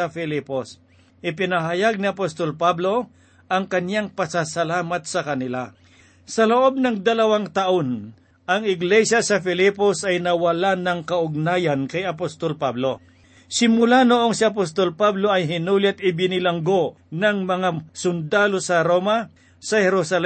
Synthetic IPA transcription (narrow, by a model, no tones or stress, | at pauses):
ɐfɛlipos | ʔɪpɪnɐɦajaɡ̚nɪɐpost̪olpablo̞ | ʔɐŋkɐnjaŋpɐsasɐlaːmɐt̪sɐkɐnɪla | sɐloʔo̞b̚nɐŋd̪ɐlɐwaŋt̪ɐʔon | ʔɐŋɪɡlɛʃjasɐfɪliposɐjnɐwɐlanɐŋkɐʔʊɡ̚naːjɐnkɐjɐpost̪olpablo̞ | sɪmʊlanoʔo̞ŋsɪɐp̬ost̪olpabloʔɐjɦɪnuːlɪt̪̚ɪbɪnɪlɐŋɡo | nɐŋmɐŋasʊnd̪aːlo̞sɐɾoma | sɐhɛɾʊsɐl